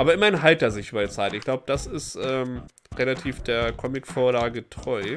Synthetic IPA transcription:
ʔaːbɐʔɪmɐɪnɦalt̚d̥eːɐzɪçʔyːbɐdɛt͡saɪtɪçɡ̥laʊbəd̥asɪstʔɛːm | ʁelatʰiːfd̥eːɐkʰɔmɪkfoːɐlaːɡətʁ̥ɔʏ

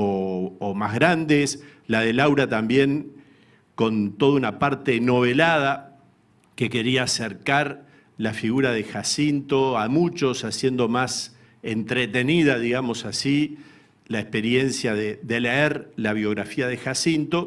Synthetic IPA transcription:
oomazɣɾand̪eslað̞e̞lawɾat̪ambje̞ŋ | ko̞nt̪o̞ðaunapaɾt̪e̞no̞β̞e̞lað̞a | ke̞ke̞ɾiaːseɾkaɾ | lafiɣuɾaðexasint̪o̞amut͡ʃo̞sasje̞nd̪o̞mas | ent̪ɾet̪e̞niðaðiɣamo̞sasi | laehspe̞ɾje̞nsjaðeðe̞leeɾlaβ̞jo̞ɣɾafiaðexasint̪o̞

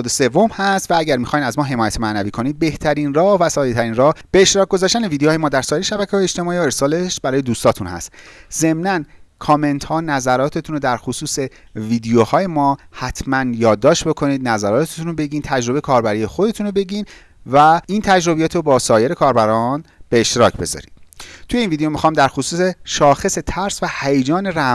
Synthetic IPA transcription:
d̪ese̞vo̞mhæst̪vææɟæɾmixɒːjnæzmɒːɦe̞mɒːjæt̪mæʔnæviːkʰo̞niːd̪̚be̞ht̪ʰæɾinrɒːvæsɒːj̪et̪ʰæɾiːnrɒːhb̥eːʃt̪eɾɒːk̚ɡo̞zɒːʃt̪ænevid̪ejːjemɒːd̪æɾsɒːjeɾeʃæbæcʰeɒːjeʃt̪e̞mɒːiːoe̞ɾsɒːle̞ʃbæɾɒːjed̪uːst̪ʰɒːt̪ʰunhæ̰st̪ze̞mnænkʰɒːme̞nt̪hɒːnæzæɾɒːt̪ʰe̞t̪ʰunod̪æɾxosuːse̞ | viːd̪ijohɒːje̞mɒːhæt̪ʰmænjɒːd̪ːɒːʃt̪bo̞kʰo̞niːd̪̚næzæɾɒːt̪ʰet̪ʰunobe̞ɟiːnt̪ʰæd͡ʒɾo̞be̞jkʰɒːɾbæɾije̞xod̪e̞t̪ʰunobe̞ɟiːn | væiːnt̪ʰæd͡ʒɾo̞bijɒːt̪ʰobɒːsɒːje̞ɾe̞kʰɒːɾbæɾɒnb̥e̞ːʃt̪eɾɒ̰ːcʰbe̞zɒ̰ɾḭd̪t̪ʰujeinvid̪ejomixɒːmd̪æɾxosuːseʃɒːxe̞se̞t̪ʰæɾsvæhæjed͡ʒɒːne̞ɾæ

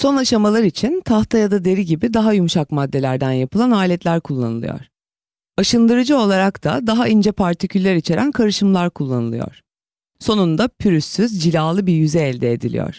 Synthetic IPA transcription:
so̞naʃamalˠaɾit͡ʃʰint̪ʰaxt̪ʰajad̪ad̪e̞ɾiɟibid̪aɦajumuʃakmad̪ːe̞lʲæɾd̪ænjapɯlˠanaːlʲɛt̪lʲæɾkʰulˠːa̰nɯlˠɯ̰jɔ̰ɾ̥ | aʃɯnd̪ɯɾɯd͡ʒɯo̞lˠaɾakt̪ʰa̰d̪aɦaind͡ʒɛpʰaɾt̪ʰicʰylʲːeɾit͡ʃʰe̞ɾʔænkʰaɾɯʃɯmlˠaɾkʰulˠːanɯlˠɯjo̰ɾ̥ | so̞nund̪apʰyɾysːyzd͡ʒilʲaːlˠɯbiɾjyzɛːlʲd̪ɛːd̪ḭlʲḭjɔ̰ɾ̥

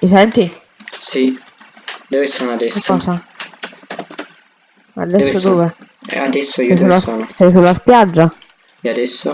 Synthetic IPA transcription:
isɛnt̪i | si | d̪ovesɔnad̪ɛsːɔːsa | a̰d̪ɛsːooːvḛ | ad̪ɛsːoiɛulːasɔnsɛjsulːaspjad͡ʒːa | ɛad̪ɛsːo

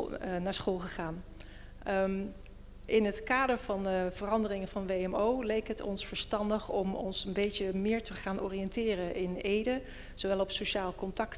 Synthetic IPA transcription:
naːɹsχolˠχəχaːn | ʔɪnɦətkaːdəɹv̥ɑnvərɑndərɪŋəv̥ɑnʋejɛmowlejkətɔ̰nsfəɹstɑndəχɔmɔ̰nsənbejtəmɪːɹtəχaːnɔ̰ːrijɛntɪːrəɪnejdə | z̥owʋɛlˠɔpsoʃaːlˠkɔntɑkt

